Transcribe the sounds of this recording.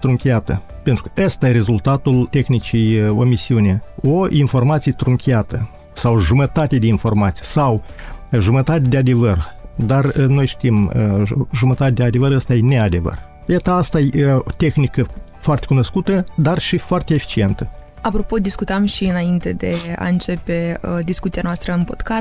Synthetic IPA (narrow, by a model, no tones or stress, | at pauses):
t̪ɾuŋkʲiat̪ə | pent̪ɾukəəst̪ajeɾe̞zult̪at̪ult̪e̞xnit͡ʃijo̞misiuneoinfo̞rmat̪sijet̪ɾuŋkʲiat̪ə | sawʒumət̪at̪ed̪einfo̞rmat̪si̥jsaw | ʒumət̪at̪ʲed̪ead̪e̞vərd̪arno̞jʃt̪iməʒumət̪at̪ed̪ʲead̪e̞vəɾəst̪ajenead̪e̞və̰r | jat̪əast̪ajot̪e̞xnikəfoart̪ekuno̞skut̪əd̪arʃifoart̪ʲeefi̥t͡ʃie̞nt̪ə | apɾo̞po̞d̪iskut̪əmʃiɨnaint̪e̞d̪e̞a̰ɨnt͡ʃe̞pe̞d̪iskut̪sianoast̪ɾəɨnpo̞d̪ka